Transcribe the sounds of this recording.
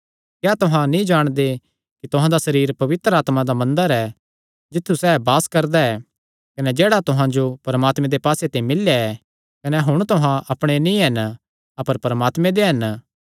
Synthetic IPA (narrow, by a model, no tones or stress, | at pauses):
kjaːt̪ʊɦãnĩd͡ʒaːɽ̃d̪e | kit̪ʊɦãd̪asɐɾiːɾpɐʋɪt̪ɾəaːt̪mãd̪amɐ̃nd̪əɾɛ | d͡ʒɪt̪ʰːusɛːbaːskɐɾd̪aɛ | kɐnɛd͡ʒɛːɽat̪ʊɦãd͡ʒopɐɾɐmaːt̪mẽd̪epaːset̪ẽimɪlːjaɛ | kɐnɛɦʊɽ̃t̪ʊɦãɐpɽ̃enĩɦɐn | ɐpəɾpɐɾmaːt̪mẽd̪eɦɐn